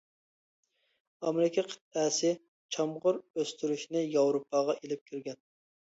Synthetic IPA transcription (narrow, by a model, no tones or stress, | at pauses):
ɑmeɾɪkʲʰɛqʰə̥t̪̚ɛsɪ | t͡ʃʰɑmʁʊɾøst̪yɾyʃnɪjɑwɾopʰːɑʁɑʔelɪp̚kʲʰiɾɡʲɛn